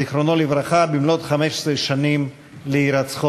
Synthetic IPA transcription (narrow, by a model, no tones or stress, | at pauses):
iχɾonolivɾaχabimlot̪χameʃe̥sɾeʃanim | leiɾat͡sχo